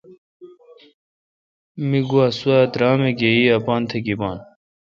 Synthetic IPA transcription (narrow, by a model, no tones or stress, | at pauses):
miɡuɐsuad̪ɾaːmeɡeiɐpɑːnt̪ʰekibɑːn